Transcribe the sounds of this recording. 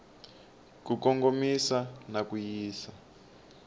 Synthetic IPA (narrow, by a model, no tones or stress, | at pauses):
kukɔŋɡomisanakujiːsa